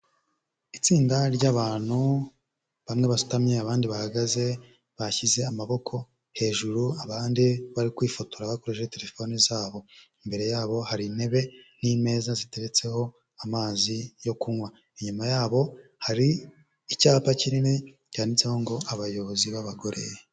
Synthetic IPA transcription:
it͡siːndaɾɟaːβaːn̥hu | βamŋe̞βasu̥tamɲeaβaːndiβahaɡaze̞ | βaçize̞amaβo̞kʰo̞ | he̞ːʒuɾuaβaːndiβaɾikwiːfotuɾaβakoɾeʃete̞ɾe̞fo̞nizaːβo̞imbe̞ɾe̞jaːβo̞haɾine̞βe̞n̥iːme̞ːzazite̞ɾet͡se̞ho̞ | amaːzijo̞kuŋwa | iɲumajaːβo̞haɾiː | caːpacinine | canit͡seho̞ŋɡo̞ʔaβajo̞βoziβaβaɡo̞ɾʔe̞̰je

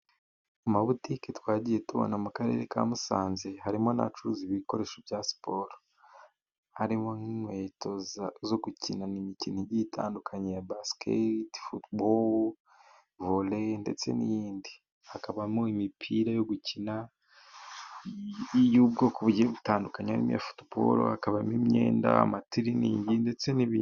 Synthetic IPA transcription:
umaβutiketwaːɟije̞tuβo̰namukaɾe̞̰ɾeka̰musa̰ːnze̞haɾimo̞na̰t͡ʃuɾuziβiko̞ɾe̞ːʃobjaspʰo̞ɾ | haɾimoŋinwe̞to̞zzo̞ɡucinanimiciniɟitʰa̰ːndukʰaɲejabaskʰḛtfutbol | volende̞̰t͡se̞̰nijiːndi | hakaβamoimipʰiɾajo̞ɡucʰina | ijuːb̚ɡo̞kuβuɟieβutaːndukaɲeaɾḭm̰ja̰fu̥tbo̰ɾo̰hakaβamimɲḛːnda̰a̰matiɾiniːɲɟinde̞t͡se̞niβiː

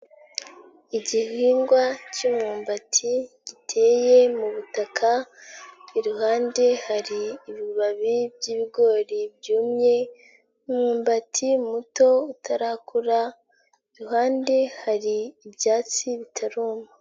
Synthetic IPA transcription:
iɟiɦiːŋɡwacumuːmbatʰiɟ̥itʰe̞je̞muβutakʰa | iɾuɦaːnde̞haɾiːβiβaβibjiːβiɡo̞ːɾib̚juːmɲe̞ | umuːmbatʰimuto̞utʰaɾaːkuɾa | iɾuɦaːnde̞haɾiːbjaːt͡siβitʰaɾuːma

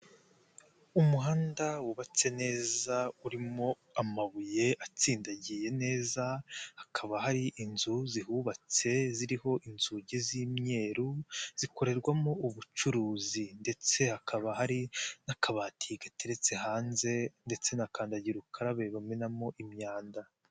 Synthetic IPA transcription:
umuɦaːndawuβat͡se̞ne̞ːzauɾimo̞ | amaβuje̞ʔat͡siːndaɟije̞ne̞ːzahakʰaβaɦaɾiʔinzuziɦuːβat͡se̞ziɾiho̞ʔinzuɟeziːmɲe̞ːɾuz̥iko̞ɾe̞ɾɡwamo̞uβut͡ʃuɾuːzinde̞t͡se̞hakʰaβaɦaɾinakʰaβaːtʰiɡateɾe̞t͡se̞haːnze̞nde̞t͡se̞nakaːndaɟiɾukʰaɾaβeβamenamo̞ʔimɲaːnda

